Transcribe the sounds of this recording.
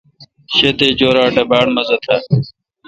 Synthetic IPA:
ɕet̪eːd͡ʑoːɾaːʈɐbaːɳmɐzɐt̪ʰaː

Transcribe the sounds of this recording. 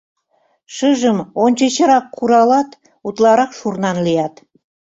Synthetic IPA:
ʃəʒəmonʲt͡ɕet͡ɕə̆ɾɑkːuɾɑlɑt̪ | ut̪lˠɑɾɑqʃurnɑnlijɑt̪

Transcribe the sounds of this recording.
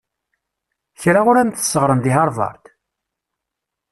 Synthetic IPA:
çɾaʊɾænt̪ə̥sːəʁɾənd̪iɦɑɾˤvɑ̰ɾˤt̪

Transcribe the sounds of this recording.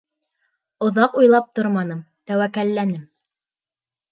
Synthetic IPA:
ŏðɑqujlˠɑp̚t̪oɾmɑnɤm | t̪æwækælːænɘm

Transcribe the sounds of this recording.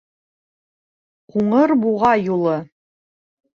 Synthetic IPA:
quɴɤɾbuʁɑjulˠɤ

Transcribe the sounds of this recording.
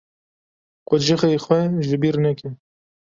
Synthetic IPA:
qʊʒɪxeːxwɛʒɪbiːɾnɛkɛ

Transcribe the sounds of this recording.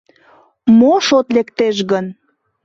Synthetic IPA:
moʃot̪lekt̪eʃɣən

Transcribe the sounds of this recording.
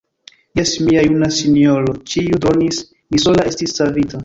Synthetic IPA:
jesmiajunasinio̞ɾot͡ʃiudo̞nis | miso̞lae̞stisːavita

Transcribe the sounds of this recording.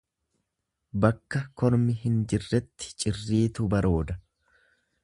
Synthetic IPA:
bɐkːɐkʰɔɾmɪɦɪnd͡ʒɪrːɛt̪ːɪ̥t͡ʃʼɪrːiːt̪ʊbɐɾo̞ːd̪ɐ

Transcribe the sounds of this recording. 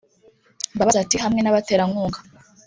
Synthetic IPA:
mbaβazatiɦamŋe̞naβateːɾaŋuːŋɡḁ

